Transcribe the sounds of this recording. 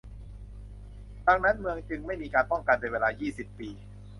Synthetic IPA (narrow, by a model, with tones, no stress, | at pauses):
da˧ŋ̚na˦˥nmɯ˧əŋt͡ɕɯ˧ŋma˥˩jmiː˧kaː˧npɔ˥˩ŋka˧ndjweː˧laː˧jiː˥˩si˨˩pːiː˧